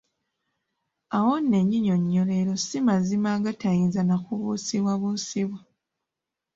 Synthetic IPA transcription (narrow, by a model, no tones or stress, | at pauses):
awonːe̞ɲːiɲo̞ɲːole̞ɾo̞simazimaɡatajinzanakuβusiβwaβusiβwa